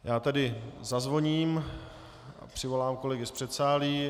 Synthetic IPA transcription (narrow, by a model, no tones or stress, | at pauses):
jaːt̪adɪzazvo̞ɲiːm | a̰pr̥ɪvo̞laːmkolɛɡɪspr̥ɛt̪saːliː